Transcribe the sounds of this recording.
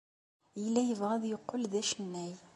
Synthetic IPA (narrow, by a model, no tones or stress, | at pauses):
iəlːæjəvʁæðjəqːəlðæʃənːæj